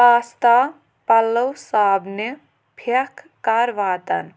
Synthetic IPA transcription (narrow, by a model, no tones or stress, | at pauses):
aːst̪a | pɐlːəwsaːbne | pʰek | kaɾʋaːt̪ɐ̰n